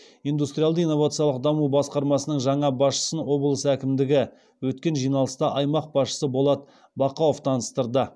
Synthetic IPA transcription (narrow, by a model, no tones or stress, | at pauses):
ijnd̪ust̪ɾʲijald̪əijnːo̞vat̪sɨjɑlˠəq̚d̪ɑmubɑsqɑɾmɑsənəɴʒɑɴɑbɑsʃə̥sənwo̞bəlˠəsækʲɪmd̪ɪɡʲɪ | wɵt̪̚kʲe̞nʒijnɑlˠəst̪ɑʔɑjmɑq̚b̥ɑsʃə̥səbo̞lˠɑt̪ | bɑqɑwoft̪ʰɑnəst̪əɾd̪ə